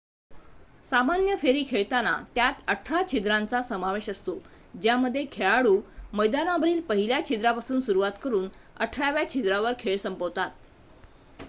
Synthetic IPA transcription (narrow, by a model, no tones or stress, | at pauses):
samanjəfeɾiːkʰeɭt̪ana̰t̪jat̪əʈʰɾat͡ɕʰid̪ɾant͡sasəmaʋeɕəst̪o | d͡ʑjaməd̪ʱːjekʰeɭaɽuːməjd̪anabəɾiːlpəɦiljat͡ɕʰid̪ɾapasuːnsuɾuʋat̪kəɾuːnə̰ʈʰɭaʋjat͡ɕʰid̪ɾaʋəɾkʰeɭsəmpəwt̪at̪̚